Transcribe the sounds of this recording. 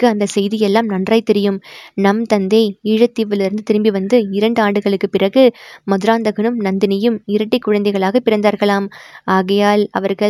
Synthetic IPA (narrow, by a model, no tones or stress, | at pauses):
kːɯɐnd̪ɐsɛjðɪjɛlːaːmnɐndrɐɪt̪ːɛɾɪjɯmnɐmt̪ɐnd̪ɐɪɪɻɐt̪ːiːʋɐlɪɾɯnd̪ɯt̪ɪɾɯmbiʋɐnd̪ɯɪɾɐɳɖɯaːɳɖɯɣɐɭɯkːɯpɪrɐɣɯmɐðɯɾaːnd̪ɐɣɐnɯmnɐnd̪ɪnɐjɯmɪɾɐʈːɪkːʊɻɐnd̪ɐɪɣɐɭaːɣɐpɪɾɐnd̪aːɾɣɐɭaːmaːɣɐjaːlɐ̰ʋɐɾɣɐɭ